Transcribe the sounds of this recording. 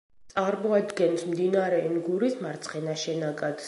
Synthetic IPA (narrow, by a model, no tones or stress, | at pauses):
t̪sʼaɾmɔad̪ɡɛnsmd̪inaɾɛːnɡuɾismaɾt̪sʰχɛnaʃɛnaɡad̪̥